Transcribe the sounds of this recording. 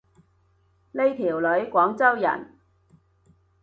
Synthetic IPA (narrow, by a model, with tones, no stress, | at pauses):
le˥jt̪ʰiː˨˩wlɵ˨˥ɥkʷɔː˨˥ŋt͡sɐ˥wjɐ̰˨˩n